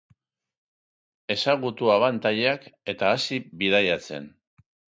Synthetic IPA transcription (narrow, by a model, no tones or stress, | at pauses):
e̞saɣut̪uaβant̪aʎeake̞t̪aːsiβið̞ajat͡se̞̰n